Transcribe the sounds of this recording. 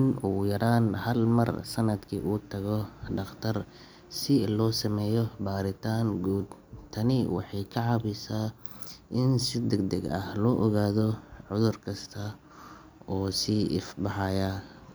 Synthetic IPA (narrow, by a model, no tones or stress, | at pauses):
ɪnuːjɐɾaːnhɐlmɐ̰rsɐnɐd̪kʰḭːʔuːt̪ʰɐɣɔɖɑχt̪ʰɐr | sɪlɔːsɐmɛːjɔbaːɾɪt̪ʰaːŋɡuːd̪ | t̪ʰɐnɪwɑ̰ħɑjkʰɐʕɑβɪsaːʔɪnsɪd̪ɛɡd̪ɛɡɐ̰hlɔːʔɔɣaːðɔʕʊðʊrkʰɐst̪ʰɐ | ɔːsiːʔɪfbɑħɑja